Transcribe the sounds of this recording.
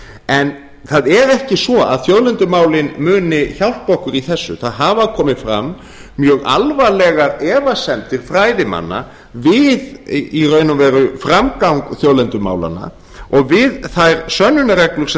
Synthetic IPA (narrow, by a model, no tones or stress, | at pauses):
ɛn | θaðɛɾɛhcɪsvɔa̰ðθjowðlɛnt̪ʏmaːwlɪnmʏːnɪçawl̥t̪̚powhkʏɾiθɛsːʏ̰θaðɦaːvakʰɔːmɪfɾa̰mː | jœːɣa̰lvalɛɣaɾɛːvasɛmt̪ɪɾ̥fɾaːjðɪma̰nːa̰ | vɪðirœːɥnʏmvɛːɾʏfɾamkawŋkθjoːwlɛnt̪ʏma̰ːwla̰na̰ | ɔɣvɪðθajɾsœnːʏnaɾɛklʏɾsɛ